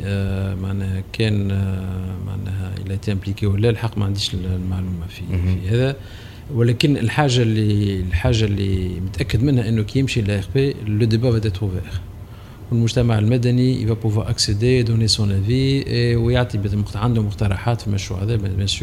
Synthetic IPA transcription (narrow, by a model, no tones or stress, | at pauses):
maʕnɛhɛkʰɛːn | ma̰ʕnɛ̰hɛ̰lːæt̪eʔæ̃mplikewəlːɛlħɑqːmaʕand̪iːʃəllmaʕluːmafifihæðæ | wɪlɛkɪnəlħaːʒalilħaːʒːalːḭmət̪ʔækːəd̪mɪnhæʔənːokijɪmʃilæəxbeləd̪ebævæt̪̬ɛt̪ʁuvɛːʁ | wəlmʊʒt̪æmaʕəlmæd̪ænḭvæpʊvwaːɾʔaksed̪ed̪unesɔ̃næviwjaʕt̪ˤibmʊq̪ʕand̪ʊmʊqt̪ɑɾˤɑħaːt̪fimæʃɾṵʕæðɛːbjæsyːɾ